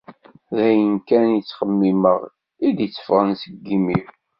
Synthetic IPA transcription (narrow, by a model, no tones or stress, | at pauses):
ðæjənkænjit͡sːχəmːiməʁ | id̪jət͡sːə̥fʁənsəɡːimiɾ